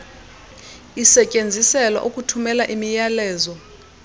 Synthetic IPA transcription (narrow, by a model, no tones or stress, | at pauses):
isɛcʼend͡zʱisɛlwa̰ʔukʼutʰumɛlaʔimijalɛːzɔ